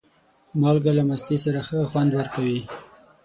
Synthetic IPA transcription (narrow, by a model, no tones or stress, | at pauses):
mɑlɡalamast̪esaɾaxəxwand̪wəɾkawi